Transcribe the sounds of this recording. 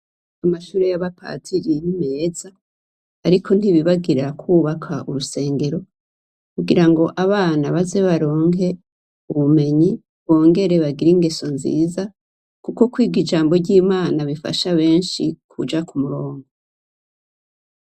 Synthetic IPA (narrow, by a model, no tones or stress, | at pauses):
amaʃuːɾejaβapʰa̰ːtʰiɾinime̞ːzaː | ɾikʰo̞n̥hiβiβaɡiɾakʰuːβakʰaʔuɾuse̞ːŋɡe̞ɾo̞ | kuɡiɾaŋɡo̞ʔaβaːnaβaze̞βaɾo̞ːŋhe̞ | uβume̞ɲi | βo̞ːŋɡe̞ɾe̞βaɡiɾiŋɡeso̞nzḭːza | kuko̞kwiːɡid͡ʒaːmbo̞ɟiːmaːnaβifa̰ʃaβe̞ːnʃikʰud͡ʒakumuɾoːŋɡo